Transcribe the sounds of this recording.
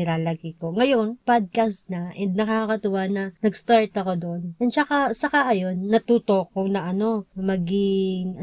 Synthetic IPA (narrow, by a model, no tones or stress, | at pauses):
ɪɾaːlɐkiko̞ŋɐjo̞npad̪̚kast̪nɐʔɛnd̪̚nɐkakakɐt̪ʊwanɐnɐɡst̪aɹt̪ɐko̞d̪oʔnʔɛnsɐkasɐkaʔɐjo̞nːɐt̪uːt̪o̞k̚ːʊŋnɐʔɐno̞mɐɡɪŋɐ